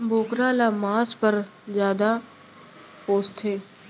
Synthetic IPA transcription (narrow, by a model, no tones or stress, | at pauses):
boːkɾaːlaːmaːspəɾzjaːd̪a | poːst̪ʰeː